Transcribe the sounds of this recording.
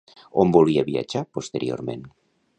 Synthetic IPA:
ombolβiaβia̰t͡ʃaɾpost̪eɾio̰ɾmẽn

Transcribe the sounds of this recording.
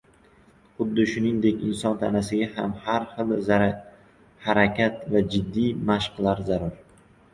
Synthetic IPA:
χʊd̪ːɪʃʊnɪŋd̪e̞kʲɪnsɒnt̪ʰa̰nasɪɡʲahamhaɾχɨlˠz | haɾakʲat̪vad͡ʒɪd̪ːijmaʃqlˠaɾzaɾʊɾ

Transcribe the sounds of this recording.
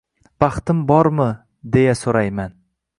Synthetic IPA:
b̥ɑχt̪ɪmbɒɾmɪ | d̪e̞jasoɾajman

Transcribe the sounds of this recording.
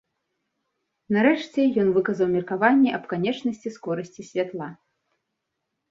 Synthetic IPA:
nɐɾɛʂt͡sʲɛjɔnvɨkɐzɐwmʲirkavanʲːɛʔɐpkanʲɛt͡ʂnɐsʲt͡sʲiskɔɾɐsʲt͡sʲisʲvʲat̪lˠa

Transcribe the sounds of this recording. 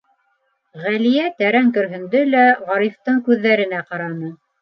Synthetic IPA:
ʁælijæt̪æɾæŋkɵ̆ɾɦɵ̆nd̪ɵlæʁɑɾift̪ɤɴkʉðːæɾɘ̆næqɑɾɑnɤ

